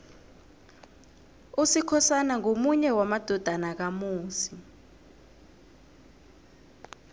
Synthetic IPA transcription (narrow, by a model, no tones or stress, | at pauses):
usikʰɔsanaŋomuɲɛwamad̥ʱɔd̥ʱanak̬amuːsi